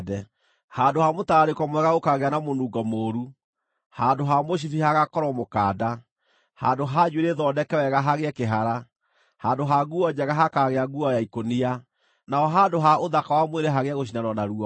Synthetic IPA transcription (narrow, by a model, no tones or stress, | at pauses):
dɛ | haːndohamotaɾekɔmwɛɣaokaɣeanamonuɡɔmoːɾu | handoɦamoɕ̬ifihaɣakɔɾɔmokaːda | handoɦaɲueɾeðɔːdɛkɛwɛɣaɦaɣeɛkeɦaɾa | haːndoɦaɡuɔd͡ʑɛɣaɦakaɣeaɡuɔjaikonia | naɔɦandoɦaoðakawamweɾɛɦaɣeaɣoɕ̬inanɔnaɾuɔ